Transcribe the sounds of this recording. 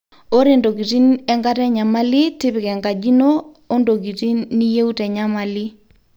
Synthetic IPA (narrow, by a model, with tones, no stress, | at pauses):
o˦ɾe˦˨ndo˨ɡi˨ti˦nɛ˦ŋɡa˦tɛ˦ɲa˨ma˦li˦tɪ˦pɪ˨kɛ˨ŋɡa˨d͡ʒi˦no˦ | o˦ndo˨ki˨ti˦ni˦je˦u˦tɛ˨ɲa˦ma˨lɪ˦